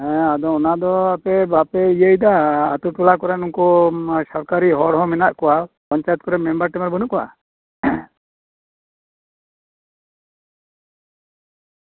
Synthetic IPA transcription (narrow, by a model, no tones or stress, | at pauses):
ɛ̃ad̪ɔɔnad̪ɔapɛbapɛijəjd̪aat̪uʈulakɔɾɛnuŋkɔsɔɾkaɾiɦɔɽɦɔ̃mɛnaʔkɔwapɔɲt͡ʃajɛt̪̚kɔɾɛmɛmbəɾʈɛmaɾbənuʔkɔwa̰